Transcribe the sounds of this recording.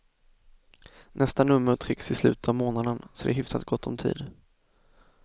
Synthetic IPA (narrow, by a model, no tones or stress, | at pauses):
nʔɛst̪anɵmːəɾt̪ʰɾɪksɪslʉ̟ːt̪ət̪ʰavmoːnad̪ənsɔd̪ɛ̰ɦʏfsat̪ɡɔt̪ʰːɔ̰mt̪ʰḭːd̪